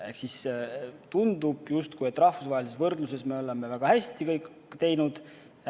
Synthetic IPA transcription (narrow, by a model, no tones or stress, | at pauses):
e̞ksist̪und̪ub̥just̪kujet̪ːˑrɑhfusvɑːelisesvɤrd̪̥luse̞sme̞o̞le̞mːe̞væɡ̥ɑhæsʲt̪ikɤjk | t̪e̞jnud̪̥